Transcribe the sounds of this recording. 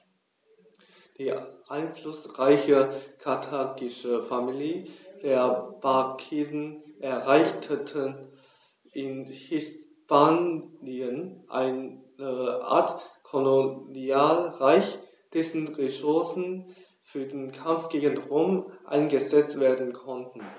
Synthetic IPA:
d̥iːʔaɪnflʊsʁaɪçəkʰatʰaːkɪʃəfamilid̥eːɐb̥akʰiːdn̩ʔɛɐʁaɪçtʰətʰə | ʔɪnhɪs | pʰaːniənʔa̰ɪnəʔa̰ːɐtkʰoloniaːlʁaɪç | d̥ɛsn̩ʁesʊɐsn̩ | fyːɐdeːnkʰamfɡ̥eːɡənʁoːmʔa̰ɪnɡəzɛt͡stv̥eːɐdn̩kʰɔntn̩

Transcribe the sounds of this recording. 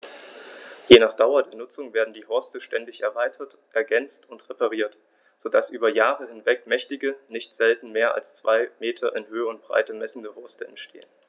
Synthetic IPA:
jenaːχd̥aʊɐdeːɐnʊt͡sʊŋveːɐdn̩diːɦɔɐstəʃtɛndɪçɛɐvaɪtʰɐt | ʔɛɐɡɛnt͡stʊntʁepaʁ̞iːɐt | z̥odasʔyːbɐjaːʁəhɪnvɛkmɛçtɪɡənɪçtz̥ɛltn̩meːɐʔa̰lst͡sv̥aɪmeːtʰɐʔɪnhøːəʊnt̚b̥ʁa̰ɪtəmɛsn̩dəhɔɐstəɛ̰ntʃtʰḛːən

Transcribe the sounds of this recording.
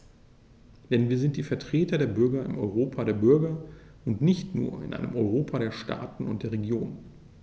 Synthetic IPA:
d̥ɛnviːɐzɪnt̚d̥iːfɛɐtʁ̥eːtɐdeːɐbʏɐɡɐɪ̰mʔɔʏʁ̞oːpʰadeːɐbʏɐɡɐ | ʔʊntnɪçtnṵːɐɪ̰nʔa̰ɪnəmʔɔʏʁ̞oːpʰaɾeːɐʃta̰ːtn̩ʊ̰nt̚d̥eːɐʁeɡjoːn

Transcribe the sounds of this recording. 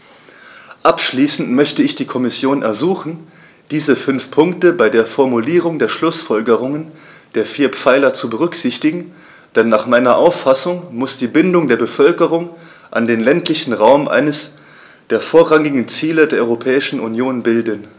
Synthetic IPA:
ʔapʃliːsn̩tmœçtəɪçd̥iːkʰɔmɪsjoːnɛɐzuːχn̩ | d̥iːzəfʏnfpʰʊŋktəbaɪdeːɐfɔɐmuliːʁ̞ʊŋdeːɐʃlʊsfɔlɡəʁ̞ʊŋən | d̥eːɐfiːɐpp͡faɪlɐt͡subəʁ̞ʏkz̥ɪçtɪɡŋ̩ | d̥ɛnːaːχmaɪnɐʔaʊfːasʊŋmʊsd̥iːbɪndʊŋdeːɐbəfœlkəʁ̞ʊŋ | ʔa̰ndeːnlɛntlɪçn̩ʁaʊmʔa̰ɪnəs | d̥eːɐfoːɐʁaŋɪɡŋ̩t͡siːlədeːɐʔɔʏʁopʰɛːɪʃn̩unjoːnbɪldən

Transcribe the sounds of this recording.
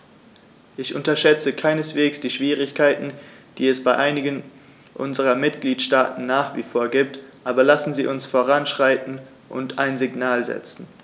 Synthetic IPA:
ʔɪçʔʊntɐʃɛt͡səkʰaɪnəsv̥eːksd̥iːʃv̥iːʁ̞ɪçkʰaɪtn̩d̥iːɛsb̥aɪʔaɪnɪɡən | ʔʊ̰nzəʁɐmɪtɡ̥liːtʃtaːtn̩ːaːχv̥ḭfoːɐɡiːp̚tʔaːbɐlasn̩ziːʔʊnsfoːʁanʃʁ̥aɪtn̩ | ʔʊ̰ntʰaɪnzɪɡnaːlzɛ̰t͡sn̩

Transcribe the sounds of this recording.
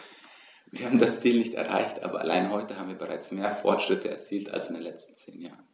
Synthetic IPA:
viːɐhaːbm̩dast͡siːlnɪçtɛ̰ɐʁa̰ɪçtʔa̰ːbɐʔa̰laɪnɦɔʏtəhaːbm̩viːɐbəʁaɪt͡smeːɐfɔɐtʃʁ̥ɪtʰəɛɐt͡siːltʰa̰lsɪndeːnlɛt͡stn̩t͡sḛːnja̰ːʁən

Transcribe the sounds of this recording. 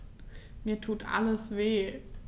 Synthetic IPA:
miːɐtʰuːd̥ʰa̰ləsʋeː

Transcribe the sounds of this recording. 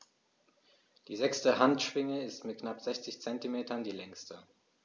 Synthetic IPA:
d̥iːzɛkstəhantʃv̥ɪŋəɪstmɪt̚knapz̥ɛçt͡sɪçt͡sɛntimeːtʰɐndiːlɛŋstə

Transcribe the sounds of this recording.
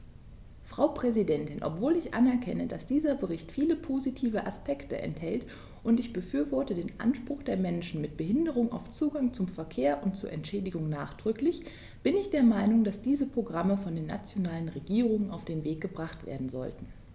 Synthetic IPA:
fʁ̥aʊpʁ̥ɛzidɛntɪnʔɔ̰pv̥oːlɪçʔa̰nɛɐkʰɛnədasd̥iːzɐbəʁɪçtfiːləpʰozitʰiːvəʔaspɛktə̰ʔɛ̰nthɛlt | ʔʊntɪçb̥əfyːɐvɔɐtədeːnʔa̰nʃpʁ̥ʊxd̥eːɐmɛnʃn̩mɪt̚b̥əɦɪndəʁʊŋa̰ʊft͡suːɡaŋt͡sʊmfɛɐkʰeːɐʔʊnt̚t͡suːɐʔɛntʃɛːdɪɡʊŋna̰ːχd̥ʁʏklɪç | b̥ɪnɪçd̥eːɐmaɪnʊŋd̥asd̥iːzəpʁ̥oɡʁaməfɔndeːna̰t͡sjonaːlənʁeɡiːʁ̞ʊŋəna̰ʊfd̥eːnveːk̚ɡ̥əbʁaχtv̥ḛːɐdn̩zɔ̰ltn̩

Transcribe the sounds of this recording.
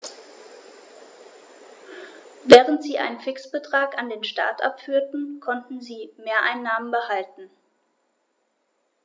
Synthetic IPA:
vɛːʁ̞əntz̥iːʔa̰ɪnənfɪksb̥ətʁ̥aːkandeːnʃta̰ːɐtʔa̰pfyːɐtn̩kʰɔntn̩ziːmeːɐʔaɪnːaːmənbəhaltn̩

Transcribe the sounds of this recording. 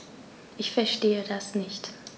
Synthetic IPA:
ʔɪçfɛɐʃteːədasnɪçt

